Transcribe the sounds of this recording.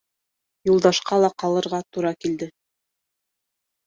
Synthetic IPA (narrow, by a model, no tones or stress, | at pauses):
julˠd̪ɑʃqɑlˠɑqɑlˠɤ̆ɾʁɑt̪uɾɑkild̪ɘ